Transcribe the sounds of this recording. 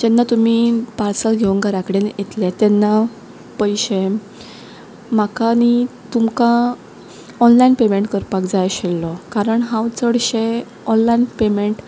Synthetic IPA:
d͡ʑɛnːat̪um̤iːpaɾsəlɡʱeʋuŋɡaɾakɽenjet̪lat̪ɛnːa | pəjɕe | m̤akanit̪umka | ɔnlainpemeɳʈkəɾpakd͡zajɕelːɔkaɾəɳɦãwt͡səɽɕe | ɔnlainpemeɳʈ

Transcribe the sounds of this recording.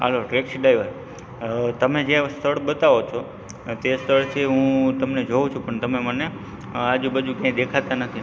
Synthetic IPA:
ɦə̰loʈɾekʃɖaiʋəɾ | t̪əmed͡ʒest̪ʰəɽbət̪aʋot͡ʃʰo | t̪est̪ʰəɭt͡ʃʰeɦũt̪əmned͡ʒoũt͡ʃʰũpəɳt̪əmeməne | ad͡ʒũbəd͡ʒũkjãid̪ekʰat̪anət̪ʰi

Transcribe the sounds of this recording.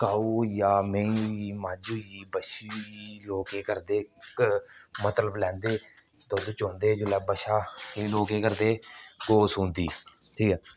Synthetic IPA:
kaːuːjaːmẽiːmãːd͡ʒujiːbəʃiiloːkeːkəɾd̪eːkmət̪ləblɛ̃ːnd̪eː | t̪od̪ot͡ʃoːnd̪eːd͡ʒolɛːbəʃaːeːloːkeːkəɾd̪eːkoːsuːnd̪iː | ʈʰiːkɛː

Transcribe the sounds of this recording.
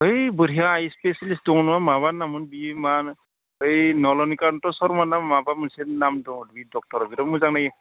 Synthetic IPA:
ɦɯjbɯɾijaːjspesalisdɔŋɔnmamaβanamɯnbiman | ɯjnɔlɔnikantɔsɔɾmanamːabamunsenamdɔŋɔdbidɔk̚tɔɾɔbiɾɔmuzaŋnajɯ

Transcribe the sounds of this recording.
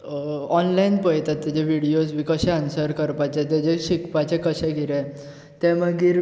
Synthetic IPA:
ɔnlainpəjt̪at̪ːɛd͡ʑeʋiɽijosʋikəɕɛ̃ənsəɾkəɾpat͡ɕɛ̃t̪ɛd͡ʑeɕikpat͡ɕɛ̃kəɕɛ̃ɡʱiɾɛ̃ | t̪ɛ̃məɡiːɾ

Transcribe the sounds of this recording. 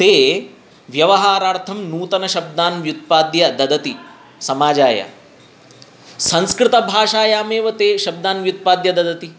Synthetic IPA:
t̪eː | ʋjɐʋɐɦaːɾaːɾt̪ʰɐmnuːt̪ɐnɐʃɐb̚d̪aːnʋjut̪̚paːd̪jɐd̪ɐd̪ɐt̪i | sɐmaːd͡ʒaːjɐ̰ | sɐ̃nskɾɪt̪ɐbʱaːʂaːjaːmeːʋɐt̪eːʃɐb̚d̪aːnʋjut̪̚paːd̪jɐd̪ɐd̪ɐt̪i

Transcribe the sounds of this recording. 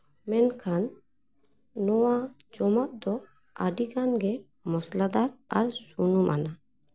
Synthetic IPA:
mɛnkʰan | ɔwa | d͡ʒɔmat̪̚d̪ɔ | a̰ɖikanɡɛ | mɔslad̪aɾaɾsunumʔa̰na

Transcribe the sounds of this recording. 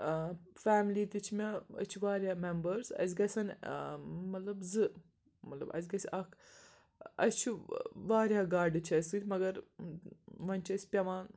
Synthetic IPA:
faːmliːt̪it͡ʃʰmʲɐɐ̰t͡ʃʰuʋaːɾʲjaːmembɐɾzɐ̰zʲɡɐsʲɐn | mɐt̪lɐbzɨ | mɐt̪lɐ̰bɐ̰z̬ʲɡɐsʲɐkʰ | ɐ̰sʲt͡ʃʰuʋaːɾʲjaːɡaːɾɖɨt͡ʃʰɐsʲɨt̪ʲmɐɡɐɾ | ʋɐnʲt͡ʃʰɐsʲpʲɐʋaːn

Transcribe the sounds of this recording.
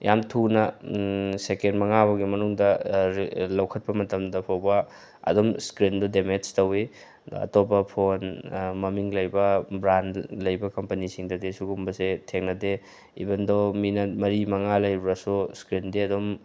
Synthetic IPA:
jamtʰunɐ | sekenmɐŋaβɐɡimɐnuŋdɐ | lɐwkʰɐt̚pɐmɐtɐmdɐpʰɐwbɐ | ɐ̰domskɾindɔdemet͡ʃtɐwḭ | ɐ̰topɐpʰonmɐmiŋlɐjbɐbɾandlɐjbɐkɐmpɐnisiŋdɐdisuɡumbɐsetʰeŋnɐde | ḭbɐndominɐt̚mɐɾimɐŋalɐjɾuɾɐsuskɾindiɐdom

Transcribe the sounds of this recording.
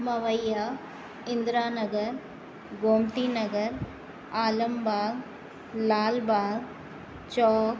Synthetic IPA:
mɐʋɐjːaː | ɪnd̪ɾaːnɐɡɐɾ | ɡoːmt̪inɐɡɐɾ | aːlɐmbaː | laːlbaː | t͡ʃɔːk

